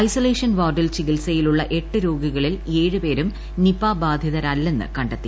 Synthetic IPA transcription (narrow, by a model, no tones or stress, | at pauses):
ɐjsoleːʂɐnʋaːɖɐlt͡ɕiɣilsɐjiluɭːɐʔe̞ʈːɨɾoːɡiɣɐɭile̞ːɻɨpe̞ːɾum | nipaːbaːd̪ʱjɐðɐɾɐlːe̞nːɨ̰kɐɳɖɐt̪ːi